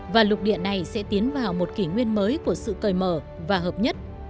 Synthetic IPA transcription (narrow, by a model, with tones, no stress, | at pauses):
vaː˨˩lʊ˨˩k̚ɗḭ˧˨ənːa˨˩jsɛ̰˧˥t̪i˨˦ənvaː˨˩wmo˨˩t̚ki˧˩ŋwi˧ənməː˨˦jku˧˩əsɨ̰˧˨kəː˨˩jməː˧˩ | vaː˨˩ɦəː˨˩p̚ɲə˦˥t̚